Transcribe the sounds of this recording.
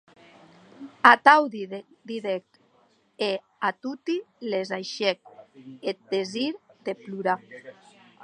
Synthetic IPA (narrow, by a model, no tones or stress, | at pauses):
at̪awði | d̪iðek̚t̪ | e | at̪ut̪ilezajʃek̚et̪̚d̪eziɾd̪epluɾa